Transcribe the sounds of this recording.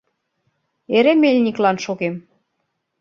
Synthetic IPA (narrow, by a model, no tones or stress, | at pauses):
eɾemelʲnʲiklɑnʃoɣem